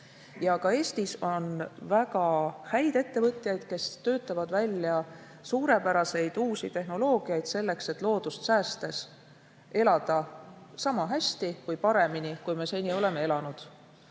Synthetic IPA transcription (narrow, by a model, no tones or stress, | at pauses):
jɑkɑe̞ːst̪iso̞nvæɡɑhæjd̪̥e̞t̪ːe̞vɤt̪ʲˑjɑjd̪̥̚ke̞st̪ø̞ːt̪ːˑɑvɑd̪vælʲjɑ | suːɾe̞pæɾɑse̞jd̪̥uːsit̪e̞hno̞lo̞ːɡ̥iɑjd̪̥se̞lːe̞kse̞t̪ːˑlo̞ːd̪̥ust̪sæːst̪e̞s | e̞lɑd̪̥ɑsɑmɑɦæsʲt̪ikujpɑɾe̞minikujme̞se̞nʲːio̞le̞me̞e̞lɑnud̪̥